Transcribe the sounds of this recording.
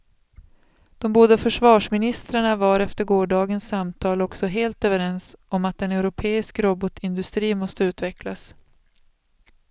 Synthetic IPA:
d̪̥ɔmbuːd̪afœʂvɑːʂmɪnɪst̪ɾaɳavaɾɛft̪əɾɡoːɖɑːɡənsːamt̪ʰɑːlɔksɔɦeːlt̪øːvəɾɛnsɔmat̪̚d̪ɛnɛʉɾʊpʰeːɪskɾɔbɔt̪ʰɪnd̪ɵst̪ɾiːnmɔst̪əʉ̟ːt̪vɛklas

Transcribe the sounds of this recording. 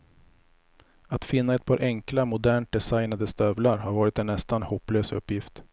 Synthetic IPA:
at̪fɪnːaɛt̪̚pʰɑːɾʔɛŋklamʊd̪æːɳʈ̪̚d̪ɛsajnad̪əst̪œvlaɾhaɾvɑːɾɪt̪ɛnːɛst̪anhɔpːløːsɵ̰pːjɪft̪

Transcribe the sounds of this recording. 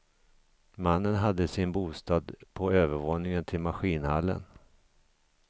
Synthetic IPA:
manːənɦad̪ːəsɪnbuːst̪ɑːd̪pʰɔøːvəɾvoːnɪŋənt̪ʰɪlmaɧiːnha̰lːə̰n

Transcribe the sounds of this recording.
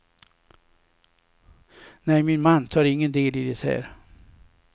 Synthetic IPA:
nɛjmɪnmanːt̪ʰɑːɾɪŋːənd̪eːlɪd̪ɛt̪hæ̰ːɾ

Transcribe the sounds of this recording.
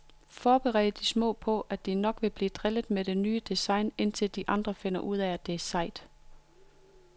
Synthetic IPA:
fɒːb̥eʁɛ̰ːd̩ˠəd̥ismɔ̰̽ːpʰɒ̽ʔæd̥inɒ̽ɡ̥ʋe̝b̥liːd̥ʁɛləð̩ˠmeɾ̥e̝nyːəd̥esɑ̈ɪne̝n̰t͡sʰe̝ld̥iʔɑ̈nd̥ʁɐfe̝n̰ɐʔuð̞̰ˠæd̥e̝sɑ̈ɪd̥

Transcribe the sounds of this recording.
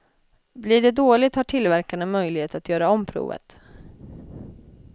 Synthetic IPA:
bliɖɛd̪oːlɪt̪haʈʰɪlvæɾkaɳəmœjlɪheːt̪at̪jœːɾaɔmpʰɾṵːvə̰t̪

